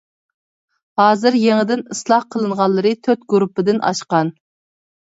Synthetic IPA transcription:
hɑːzɨɾjeŋɪd̪ɪnɨslˠɑhqʰəlˠɨɴʁɑnlˠːəɾɨt̪ʰøt̪̚ɡuɾupːɨd̪ɪnʔɑ̰ʃqɑn

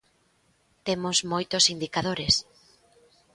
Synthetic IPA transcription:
t̪emʊzmojt̪osind̪ikaðoɾes

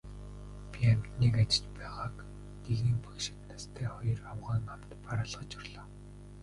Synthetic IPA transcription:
pʲiam̥t̪niːkat͡ɕɪ̥̆t͡ɕpæːʁaːk | t̪eɣniːkpɵkʃɪ̆k̪nast̪ʰæːχɔjɞ̆rawʁaːŋam̥t̪paɾaːɮʁə̆t͡ɕʊrɮɔː

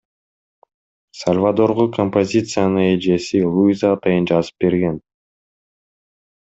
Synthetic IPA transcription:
sɐlʲvad̪o̞ɾʁokʰompozʲit̪sɨjanɯed͡ʒe̞silˠujzaːt̪ɑjɯnd͡ʒɑzɯ̥p̚be̞ɾɡe̞n

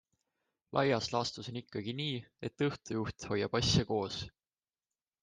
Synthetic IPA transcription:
lʔɑ̰jɑslɑst̪uso̞nikːɑɡ̥iniːe̞t̪ːɤht̪ujuht̪ho̞jːɑb̥ɑsʲjɑko̞ːs

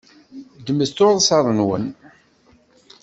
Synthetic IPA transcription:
d̪əməst̪oɾˤsɑɾˤənwə̰n

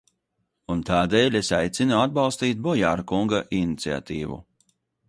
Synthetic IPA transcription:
unt̪aːd̪ɛːlʲesajt̪sinuad̪̚balˠst̪iːt̪̚bɔjaːɾkuŋɡaʔinit̪sia̰t̪iːvṵ

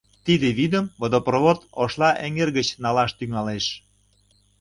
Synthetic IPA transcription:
t̪id̪eβid̪əmvod̪oproβot̪oʃlɑʔeŋerɣət͡ɕnɑlɑʃt̪yŋɑleʃ

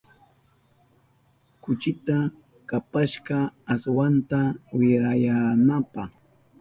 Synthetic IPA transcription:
kʊt͡ʃɪt̪a | kapaʃɢɑːswant̪awɪɾajanapɑχ

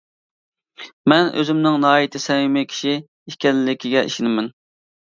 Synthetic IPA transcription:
mɛnʔø̰zɪmnɪŋnɑːit̪ʰɪsɛwɪmɪkʲʰi̥ʃi | ikʲɛlɪlɪkʲʰiɡʲɛʔḭʃɪnɪmɛn

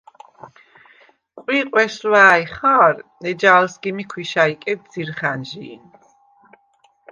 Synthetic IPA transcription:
qʼwiqʼwɛʃlaːjχaːɾnɛd͡ʒaːlsɡimikʰwiʃaikʼɛd̚z̥iɾχanʒḭːn

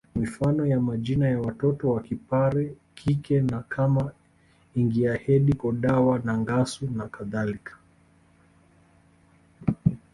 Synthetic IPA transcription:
mifanɔjamaʄinajawatɔtɔwakipaɾɛ | kʰikɛnakʰama | iŋɡiahɛɗikɔɗawanaŋɡasunakaðalikʰḁ

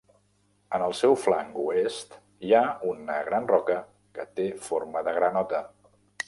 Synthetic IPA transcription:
ənəlˠsɛwfla̰ŋɡuest̪ | iaunəɣ̞ɾanrɔkə | kət̪efoɾməðəɣ̞ɾənɔt̪ə

